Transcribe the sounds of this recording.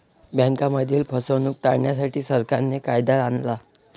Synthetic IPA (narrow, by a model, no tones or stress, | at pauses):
bə̃ŋkaməd̪ʱiːlpʰəsənuːk̚t̪aɽɳjasaʈiːsəɾkaɾnːekajd̪aɾanla